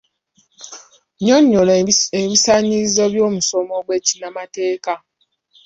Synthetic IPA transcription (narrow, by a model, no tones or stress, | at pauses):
ɲoɲːoleβisaɲiɾizoβjoːmusomoɡwecinamateːka